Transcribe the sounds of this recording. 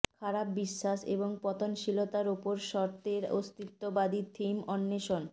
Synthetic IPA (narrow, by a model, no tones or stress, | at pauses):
kʰaɾap̚biʃːaʃḛboŋpɔt̪onʃilot̪aɾopoɾʃɔɾt̪eɾo̰st̪it̪ːobad̪it̪ʰimɔnːeʃon